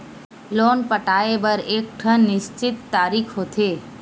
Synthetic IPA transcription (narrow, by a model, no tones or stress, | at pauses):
loːnpəʈaːebəɾeːk̚ʈʰənːɪʃt͡ʃɪt̪ːaːɾikʰɦot̪ʰeː